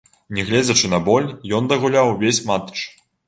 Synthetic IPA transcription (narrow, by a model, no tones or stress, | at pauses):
nʲɛɣlʲɛd͡zʲɐt͡ʂɨnɐbɔlʲjɔnd̪ɐɣulʲawvʲesʲmat̪ɨ̥t͡ʂ